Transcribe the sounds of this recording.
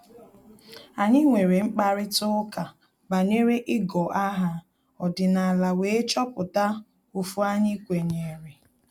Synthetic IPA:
a˨ɲɪ˦ŋʷe˨ɾe˨ŋ͡m̩˦k͡pa˦ɾɪ˦tʊ˦ka˨ | ba˨ne˦ɾe˦ʔɪ˦ɡɔ˨ʔa˦ɦa˦ | ɔ˨dɪ˨na˨a˨la˨we˨e˦t͡ʃɔ˦pʊ˨ta˦ | u˨fu˦a˦ɲɪ˦kʷe˨ɲe˨ɾe˨

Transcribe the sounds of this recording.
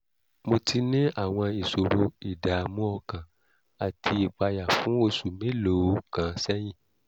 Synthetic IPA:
mo˧tʰi˧nĩ˦a˦˨w̃ɔ̃˧i˨so˨ɾu˧i˨da˨mũ˦ɔ˧kã˨ | a˨tʰi˧i˨k͡pa˧ja˨fũ˨˦o˧su˨mẽ˨˦lo˨˦kã˨˦sɛ˦j̃ĩ˦˨

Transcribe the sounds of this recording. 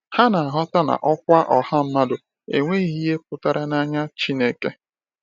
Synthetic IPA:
ha˦na˨a˨ɦɔ˦ta˦na̰˨ʔɔ˦k̚ʷa˦ʔɔ˨ha˦m̩˦ma˦dʊ˨ | e˨ŋʷe˦i˦ɦi˦ɦe˦p̚ʊ˦˨ta˦ɾa˦na˦ɲa˦t͡ʃi˦ne˦ke˦

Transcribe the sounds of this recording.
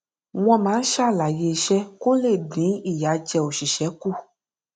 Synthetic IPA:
w̃ɔ̃˦mã˨˦ʃa˦la˨je˨ʃɛ˦ko˦le˦˨ɖĩ˨˦i˨ja˨˦d͡ʒɛ˨wo˨ʃi˨ʃɛ˨˦ku˦˨

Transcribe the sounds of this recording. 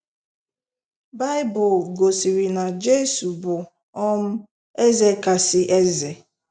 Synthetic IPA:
ba˦ɪ˦bʊ˨lɡo˨si˨ɾi˨na˨d͡ʒe˦su˨bʊ˨ | ɔ˦m̩˦ | e˦ze˨ka˨sɪ˦ʔe˦ze˨

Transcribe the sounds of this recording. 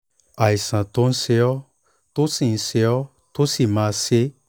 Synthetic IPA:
a˨i˨sã˨to˧˦n̩˦se˧ɔ˦ | to˦sĩ˦˨n̩˦se˧ɔ˦ | to˦si˦˨mãː˨˧˦se˦

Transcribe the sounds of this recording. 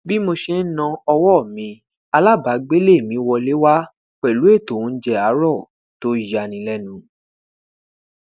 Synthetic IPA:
bi˦mo˧ʃe˧n̩˦nã˧ɔ˧wɔ˦˨mĩ˧˦ | a˧la˦˨ba˨˦ɡ͡be˦le˦˨mĩ˨˦wɔ˧le˦wa˦ | k͡pɛ˨lu˨˦e˦˨tõ˨˦˧d͡ʒɛ˧a˨˦ɾɔ˦˨ | to˦ja˧˨nĩ˨˦lɛ˦nũ˨˦

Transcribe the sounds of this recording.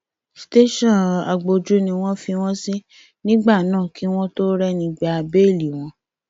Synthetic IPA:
si̥˨te˦ʃɔ̃˦˨a˨ɡ͡bo˧d͡ʒu˦nĩ˧w̃ɔ̃˦fi˧w̃ɔ̃˦si˦ | nĩ˦ɡ͡ba˦˨nãː˦˨ki˦w̃ɔ̃˦to˦ɾɛ˧nĩ˧ɡ͡ba˧a˧be˦˨li˨w̃ɔ̃˧˦

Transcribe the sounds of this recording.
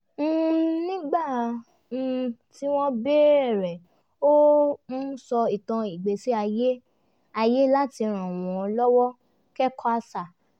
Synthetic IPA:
m̩˦˨nĩ˦ɡ͡ba˦˨ | ti˦w̃ɔ̃˦be˦˨ɾɛ˨ | o˦mũ˦sɔ˧i˨tã˧i˨ɡ͡be˨si˦a˧je˦ | a˧je˦la˦ti˧ɾ̃ã˨w̃ɔ̃˨˧lɔ˦wɔ˦ | kɛ˦kʰa˧˦sa˨

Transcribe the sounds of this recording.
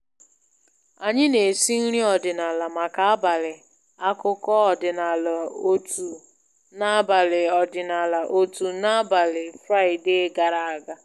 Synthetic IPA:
a˨ɲɪ˦ne˨si˦n̩˦ɾi˦ɔ˨dɪ˨na˨la˨ma˨ka˨a˦ba˨lɪ˨ | a˦kʊ˦kɔ˦ɔ˨dɪ˨na˨la˨o˦tʰu˨ | na˦ba˨lɪ˨ɔ˨dɪ˨na˨la˨ʔo˦tu˨na˦a˦ba˨lɪ˨fɾa˦ɪ˨de˦ɡa˨ɾa˨a˨ɡa˦

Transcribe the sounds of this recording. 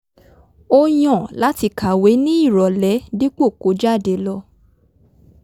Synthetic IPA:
o˧j̃ɔ̃˨la˨˦ti˧ka˨we˨˦nĩ˦i˦˨ɾɔ˨lɛ˨˦di˦k͡po˦˨ko˨˦d͡ʒa˦˨de˨˦lɔ˧

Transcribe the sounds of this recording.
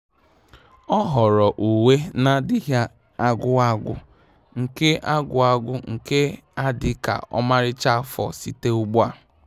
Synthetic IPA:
ɔ˦ɦɔ˨ɾɔ˨ʔu˨we˦na˨dɪ˦ɦja˦ | a˦˨ɡʷʊ˦a˦ɡʷʊ̰˦ | ŋ̩˨ke˦ʔa˦ɡʊ˨a˦ɡʷʊ˦ŋ̩˨ke˦a˦dɪ˦ka̰˨ʔɔ̰˦ma˦ɾɪ˦t͡ʃa˦fɔ̰˨si˦te˦ʊ˦ɡ͡bʊ˦a˨

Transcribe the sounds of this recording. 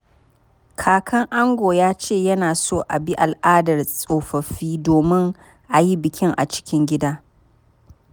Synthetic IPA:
kʰaː˨kʰɐ˦ŋʔa˦ŋɡʷoː˨jaː˦t͡ʃeː˦˨jɐ˦naː˨soː˦˨ʔa˨bi˦ʔa˨lʔaː˦dɐ˨rsʼoː˨ɸɐ˨ɸiː˦doː˨mɪ˦ŋ | ʔa˨ji˦bɪ˨kʲɪ˦ŋʔa̰˨t͡ʃɪ̥˦kʲɪ˦ŋɡʲɪ˦daː˦

